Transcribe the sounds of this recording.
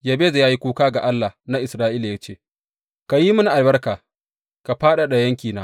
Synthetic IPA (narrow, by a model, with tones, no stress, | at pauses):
ja˨beː˦za˨jaː˦ji˦kʷuː˦kaː˦ɡa˨ʔa˦lːa˨na˦ʔɪ˨sɾaː˦ʔiː˦la˨ja˦t͡ʃeː˦˨ | ka˨ji˦mʊ˦ni˨ʔa˨lbɐ˦rkaː˨ | ka˨ɸaː˦ɗa˨ɗa˨jɐ˦ŋkʲiː˨naː˦